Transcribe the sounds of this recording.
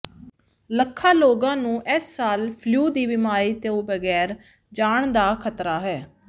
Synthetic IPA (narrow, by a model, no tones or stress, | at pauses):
ləkʰːaːloːɡãːnũːʔɛsːaːlpʰljuːd̪iːbɪmaːɾiːt̪eoːbəɡɛːɾ | d͡ʒaːɳd̪aːkʰət̪ɾaːɦɛː